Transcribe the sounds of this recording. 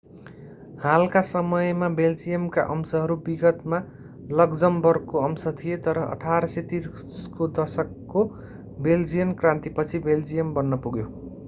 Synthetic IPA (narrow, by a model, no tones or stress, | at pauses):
halkasʌmʌjmabeld͡zijʌmka̰ʔʌmsʌɦʌɾubiɡʌt̪ma | lʌɡd͡zʌmbʌrkoʌmsʌt̪ʰijet̪ʌɾʌʌ̰ʈʰaɾʌset̪ir | skod̪ʌsʌkːo | beld͡zijʌnkrãnt̪ipʌt͡sʰibeld͡zijʌmbʌnːʌpuɡjo